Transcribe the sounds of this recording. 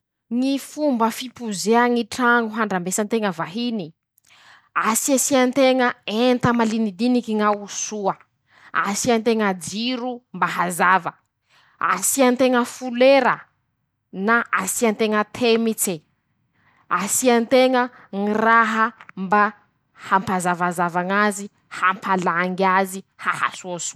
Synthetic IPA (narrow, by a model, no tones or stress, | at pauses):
ŋifumbəfipuzeaŋiʈ͡ʂaŋuɦaɳɖ͡ʐambesant̪eŋəvaɦini | asiasiant̪eŋəent̪əmalinid̪inikiŋawsuə | a̰siant̪eŋad͡ziɾumbaɦazavə | a̰siant̪eŋəfuleɾə | naʔasiant̪eŋət̪ʰemit͡se | asiant̪eŋə | ŋiraɦəmba | hampazavazavaŋazi | hampʰalaŋɡazihaha̰suəsu̥